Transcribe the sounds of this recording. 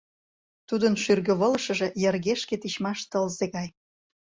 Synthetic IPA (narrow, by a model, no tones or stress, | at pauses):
t̪ud̪ənʃyrɣə̆βolə̆ʃə̆ʒe̽jerɣeʃket̪iɕmɑʃt̪əlzeɣɑj